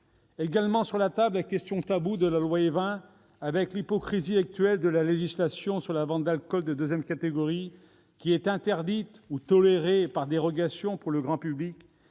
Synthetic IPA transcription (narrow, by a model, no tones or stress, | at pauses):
eɡalmɑ̃syʁlat̪ablakʲɛst̪jɔ̃t̪abud̪əlalwaevɛ̃ | avɛklipɔkχiziak̚t̪ɥɛld̪əlaleʒislasjɔ̃syʁlavɑ̃d̪alkɔld̪əd̪øzjɛmkat̪eɡɔʁi | kʲiɛt̪ɛ̃t̪ɛʁd̪it̪ut̪ɔleʁepaʁd̪eʁɔɡasjɔ̃puʁləɡʁɑ̃pyblik